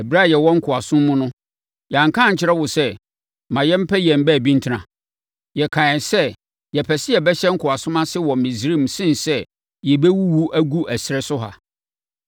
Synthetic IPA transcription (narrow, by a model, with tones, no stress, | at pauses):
ɛ˨bɾa˦˨jɛ˨wɔ̃˦ŋ̩˦kʰʊ˨a˨sʊ̃˦mːʊ̃˦nʊ̃˦ | jɛ˨ã˨ŋ˨kʰã˦˨ɲ̩˨t͡ɕʰɪ˦ɾɛ˦wʊ˨sɛ˦ | mã˨jɛ˦m̩˦pʰɛ˦jɛ̃˨m̩˦bɛ˦˨bĩ˦n̩˦tʰɪ˦nã˨ | jɛ˨kʰã˨ɛ̃˨sɛ˦ | jɛ˨pʰɛ˨sɪ˦jɛ˨bɛ˦ɕɛ˦ŋ̩˦kʰʊ˨a˨sʊ̃˦mã˦sɪ˦wɔ˨mĩ˨s̬ɾĩ˦˨msɪ̃˦nsɛ˦ | jɛ˨bɛ˦wu˦wu˦ʔæ˦ɡu˦ʔæ˨sɪ˦ɾɛ˦sʊ˦ɦa̰˨